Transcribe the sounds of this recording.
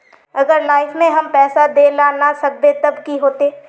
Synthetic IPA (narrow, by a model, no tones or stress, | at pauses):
ɐɡəɾlaːɪfʰmẽɦɐmpɛːsad̪elaːnasɐk̚d̪et̪ɐbkiɦoːt̪eː